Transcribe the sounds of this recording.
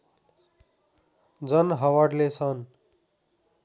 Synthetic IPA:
d͡zʌnɦʌwaɽlesʌn

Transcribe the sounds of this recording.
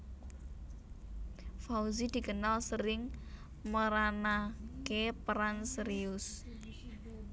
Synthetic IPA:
fauzid̪̥i̤ɡənalsəɾɪŋ | məɾanakepɾansɾiʊs

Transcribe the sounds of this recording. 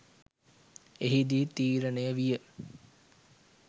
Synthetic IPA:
eɦid̪it̪iːɾənəjəʋijə

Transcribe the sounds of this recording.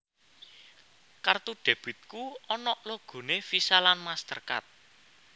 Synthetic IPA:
kart̪uɖ̥a̤b̥ɪ̤t̪̚kuɔnɔʔloɡ̥o̤nefisalanmast̪ərka̰t̪̚

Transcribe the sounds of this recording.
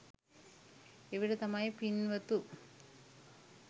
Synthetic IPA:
eʋiɽet̪ɐmaːjɐpinʋɐt̪ːu

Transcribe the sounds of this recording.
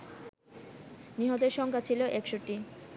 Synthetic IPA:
niɦɔt̪eɾʃɔŋkʰat͡ɕʰiloʔɛkʃoʈi

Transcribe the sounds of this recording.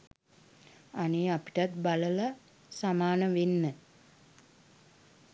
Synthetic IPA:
aneːapi̥ʈat̪baləla | samaːnəʋenːə

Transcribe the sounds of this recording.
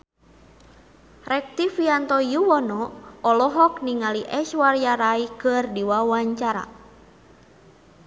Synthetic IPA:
rʔɛk̚t̪ifiant̪ɔjuwɔnɔɔlɔɦɔk̚niŋaliʔɛʃwaɾjaɾaikɨrdiwawaɲt͡ʃaɾa̰

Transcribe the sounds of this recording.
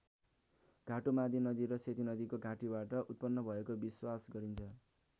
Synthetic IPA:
ɡʱaʈomad̪ʱinʌd̪iɾʌset̪inʌd̪ikoɡʱaʈibaʈʌʔut̪̚pʌnːʌbʱʌekobiswasɡʌɾint͡sʰʌ

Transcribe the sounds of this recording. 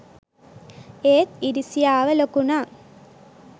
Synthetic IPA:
eːt̪̚iɾisijaːʋɐlokːuna

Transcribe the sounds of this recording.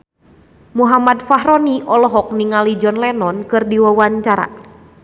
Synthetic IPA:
muɦamat̪faɦɾɔniʔɔlɔɦɔk̚niŋalid͡ʒɔnlɛnɔnkɨrdiwawaɲt͡ʃaɾa̰

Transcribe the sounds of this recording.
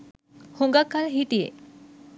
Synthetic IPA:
hoŋɡakːalɦiʈ̪iḛ

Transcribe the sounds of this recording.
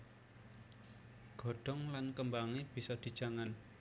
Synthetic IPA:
ɡ̥ɔ̤ɖ̥ɔ̤ŋlankəmbaŋeb̥i̤sɔd̪̥i̤d̥d͡ʒ̥a̤ŋan

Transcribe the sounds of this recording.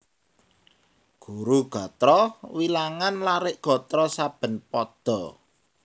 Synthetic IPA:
ɡ̥uɾuɡ̥ɔ̤t̪ɾɔwilaŋanlaɾɪʔɡ̥ɔ̤t̪ɾɔsab̥ə̤npɔd̪̥ɔ̤

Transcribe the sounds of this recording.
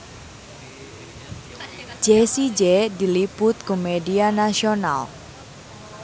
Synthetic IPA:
d͡ʒesid͡ʒɛdilipʊt̪̚komedianasiona̰l

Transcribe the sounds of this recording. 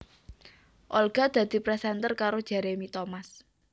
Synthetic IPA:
ʔolɡ̥a̤d̪̥ä̤d̪̥i̤pɾɛsɛnt̪ərkaɾod̥ʒ̥a̤ɾemit̪omas

